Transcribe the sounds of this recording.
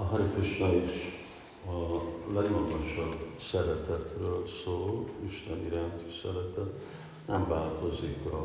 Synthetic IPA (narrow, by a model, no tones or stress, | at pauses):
ɒɦɒɾikuʃnɒiʃ | ɒlɛɡmɒɡoʃɒbsɛɾɛt̪ɛt̪røːlsoːliʃt̪ɛniɾaːnt̪i̥sɛɾɛt̪ɛt̪ | nɛɱvaːlt̪ozikɒ